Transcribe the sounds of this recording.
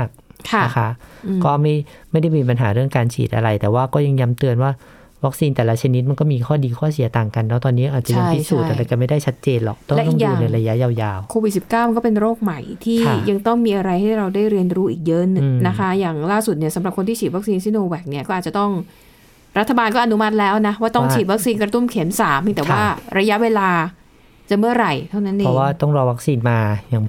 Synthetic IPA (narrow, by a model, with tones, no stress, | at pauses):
maː˥˩k̚kʰa˧˩a˦˩˥kʰa˦˥ʔɯ˧kɔː˥˩ma˥˩jma˥˩jda˥˩jmiː˧p̬a˧nɦaː˩˦ɾɯ˥˩əŋkaː˧nt͡ɕʰḭː˨˩t̪ʔa̰˧ɾa˧jt̪ɛː˨˩waː˥˩kɔː˥˩ja˧ŋja˦˥mt̪ɯ˧ənwaː˥˩ | wa˦˥k̚siː˧nt̪ɛː˨˩la˦˥t͡ɕʰa˧ni˦˥t̪̚ma˧nkɔː˥˩miː˧kʰɔː˥˩diː˧kʰɔː˥˩si˩˦t̪aː˨˩ŋka˧nːɛ˦˥t̪ɔː˧nːiː˦˥ʔaː˨˩t̪̚t͡ɕa˨ja˧˥˧ŋʰi˦˥suː˨˩a˧ɾa˧jka˨˩ma˥˩jda˥˩jt͡ɕʰa˦˥t̪̚t͡ɕeː˧nlɔ̰˨˩k̚t̪ɔ˥˩lʔ̪ɔ˨˥ŋː˩˨duː˧na˧ɾa˧ja˦˥jaː˧wjaː˧wkʰoː˧wi˨˩si˨˩p̚kaː˥˩wma˧nkɔː˥˩pe˧nɾoː˥˩k̚ma˨˩jt̪ʰiː˥˧˩a˦ja˧ŋt̪ɔ˥˩ŋmiː˧ʔa˧ɾa˧jha˥˩jɾa˧wdaː˥˩jɾi˧ənɾuː˦˥ʔiː˨˩k̚jɤ˦˥nɯ˨˩ŋna˦˥kʰa˦˥jaː˨˩ŋlaː˥˩su˨˩t̪̚ni˥˩ɐsa˨˦mɾa˨˩p̚kʰo˧nt̪ʰiː˥t͡ɕʰiː˨˩wa˦˥k̚siː˧nsi˦˥noː˧wɛː˨˩k̚ni˥˩ɐkɔː˥˩aː˨˩t̚t͡ɕa˨˩t̪ɔ˥˩ŋ | ɾa˦˥t̪ʰːa˧baː˧nkɔː˥˩ʔa˧nu˦˥ma˦˥t̪̚lɛː˦˥wna˦˥waː˥˩t̪ɔ˥˩ŋt͡ɕʰiː˨˩t̪̚wa˦˥k̚siː˧nkɾa˧t̪u˥˩mkʰe˩˦msaː˩˦mpi˧˩t̪ɛː˨˩waaː˥˩ɾa˧ja˦˥ʔweː˧laː˧ | t͡ɕa˧˨˩mɯ˥˩ɐɾa˨˩jt̪ʰa˥˩na˦˥nʔe˧pʰɔ˦˩waː˥˩t̪ɔ˥˩ŋɾɔː˧wa˦˥k̚siː˧nmaː˧ja˨˩